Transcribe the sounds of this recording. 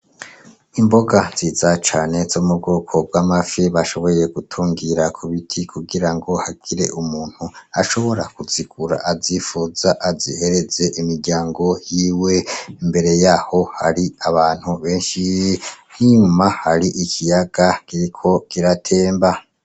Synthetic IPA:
imbo̞ɡaz̥iːzat͡ʃaːne̞z̥omub̚ɡoːkʰo̞b̚ɡamafiβaʃo̞βo̞jeɡutʰuːŋɡiɾakʰuβitʰikʰuɡiɾaŋɡo̞haɡ̥iɾe̞̰ʔumuːn̥huaʃo̞βo̞ɾakuzikuɾa̰ʔazifuzaʔazḭhe̞ɾe̞ze̞ʔimiɾɟaːŋɡo̞jiːwe̞mbe̞ɾe̞jaho̞ha̰ɾiaβaːn̥huβe̞ːnʃin̥iɲɲumahaɾiʔikʰijaɡ̥akiɾikʰo̞kiɾatʰe̞ːmba

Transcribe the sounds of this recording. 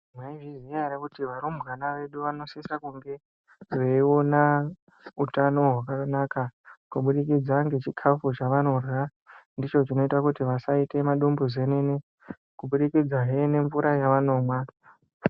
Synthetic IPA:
mwaiʐiziaɾakutiʋaɾumbɣanaʋe̞ɗuʋano̞sisakuŋɡe̞ | ʐeio̞na | utano̞ɦwakanakakuɓuɗikid͡zaŋɡe̞t͡ʃikʰafut͡ʃaʋano̞rwa | ndit͡ʃo̞t͡ʃino̞itakutiʋasaite̞maɗumbuzenene | kuɓuɗikid͡zaɦene̞ɱvuɾajaʋano̞ːmwa

